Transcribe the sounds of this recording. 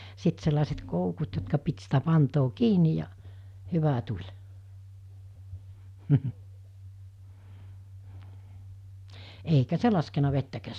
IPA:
sit selːɑˑeset koukut jotkɑ pit sitæ pɑntoː kiːnij jɑ hyʋæ tulʲ eikæ se lɑskenɑ ʋetːækæːs

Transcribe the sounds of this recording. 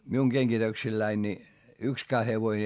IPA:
miuŋ ɡ̊eŋɡ̊itøksilːæin ni ykskæː heʋoĭn ei

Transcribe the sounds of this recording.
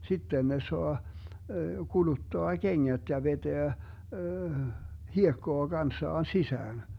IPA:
sitːen ne soɑ kulutːoɑ keŋːæt jɑ ʋeteæ hiekːoɑ ɡ̊ɑnsːɑːn sisæːn

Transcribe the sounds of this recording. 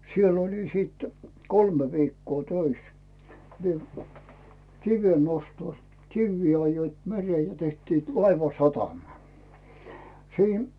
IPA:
sielː oli sit kolme ʋikːoː tøis mie kiʋe nostos kiʋːi ɑjːoit mereː jɑ tehtiːt lɑiʋɑsɑtɑmɑ siːn

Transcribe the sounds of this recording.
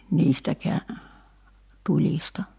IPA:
niːstækeæ tulʲistɑ

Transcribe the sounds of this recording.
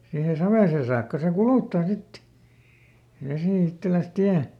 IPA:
siːhe sɑʋeˑsen̞ sɑːkːɑ se kuluˑtːɑː sit ʋesiˑ itːelæs tiæ

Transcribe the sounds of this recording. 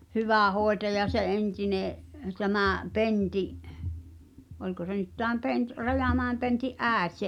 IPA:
hyʋæˑ hoˑetɑjɑ se ʔentineʔ tæmæˑ pentiʔ olʲko se nyt tæːm pent rɑjɑˑmæˑem pentiʔ ʔæˑet se

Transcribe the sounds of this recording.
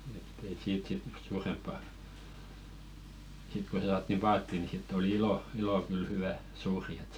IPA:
etː ei siːt sit suːrempːɑ sit ko s̆ĕ sɑːtːim pɑːtːiˑ ni sitː oli ilo iloˑ kyl hywæ suːri et

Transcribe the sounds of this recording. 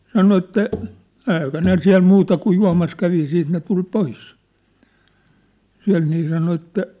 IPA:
sɑno etːæ ɛikæ ne siæ̝l mutɑ kuj juɑ̝mɑs kæʋi siːt ne tul pois siæ̝lt niː sɑno etːæ

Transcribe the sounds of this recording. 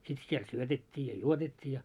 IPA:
sit siel syøtetʲːiː jɑ juotetʲːiː jɑ

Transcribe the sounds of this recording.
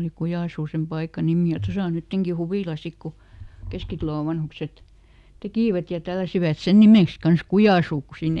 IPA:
oli kujɑˑsuː sem pɑikɑ nimiˑ jɑ tosɑ o nytːeŋki huʋiˑlɑ sik ku keskitɑ̆loˑ ʋɑnhukset tekiˑʋæt jɑ tælːæsiʋæt sen nimeˑks kɑns kujɑˑsuː ku siːn

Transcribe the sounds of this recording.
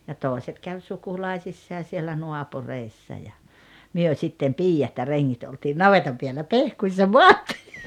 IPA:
jɑ toːĕset kæʋ sukulɑisisːɑː sielːæ nuɑpureisːɑ jɑ myø sitːem piːjɑt jɑ reŋːit oltiːn nɑʋetɑm piælːæ pehkuisːɑ moɑtːi̥ː

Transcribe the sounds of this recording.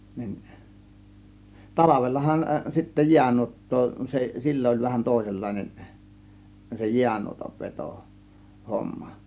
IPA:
nin tɑlɑʋelːɑhɑn sitːæ jiænuotːoː se silːo ə̆lʲ ʋæhæn toˑe̝selːɑˑe̝nen se jiænuotɑʋ ʋeto homːɑ

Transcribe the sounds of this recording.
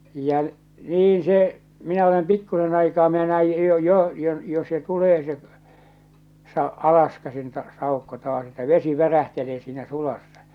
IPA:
jɑ niːn se minæ olem pikːusen ɑikɑː minæ næij jo jo jo jo se tuleː se sɑ ɑlɑskæsin tɑ sɑˑukːo tɑːs etːæ ʋesi ʋæræhteleː siːnæ sulɑsːɑ

